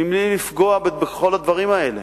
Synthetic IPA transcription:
imlilifɡo̞abebeχo̞lad̪vaʁimae̞lḛ

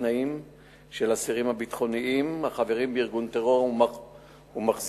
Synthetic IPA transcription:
naim | ʃelasiʁimabit̪χo̞niimhaχave̞ʁimbeiʁɡunt̪eʁo̞ʁum | humaχz

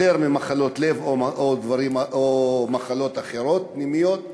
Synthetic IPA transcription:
eʁmimaχalo̞t̪le̞vood̪vaʁimaʔomaχalo̞t̪aχe̞ɾo̞t̪̚pnimijo̞t̪̚

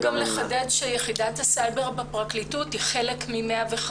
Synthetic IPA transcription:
ɡamleχadatʃejeχidathasajbe̞ʁbapʁaklituthiχe̞lekmimeaveχ

